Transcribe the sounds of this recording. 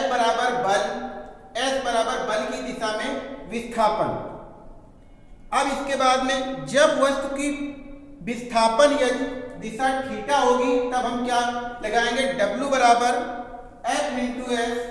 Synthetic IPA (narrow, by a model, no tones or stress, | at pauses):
bəɾaːbəɾbəl | ɛːsbəɾaːbəɾbəlkid̪ɪsamẽʋɪst̪ʰaːpən | ɐbɪskebaːd̪mẽd͡ʒɐbʋəst̪uki | bɪst̪ʰaːpənjɐnid̪ɪsaʈʰiːʈaɦoːɡit̪ɐbɦɐmkjaːlɐɡaːẽːŋɡeɖɐbljubɐɾaːbəɾ | eːsmɪlʈuɛːs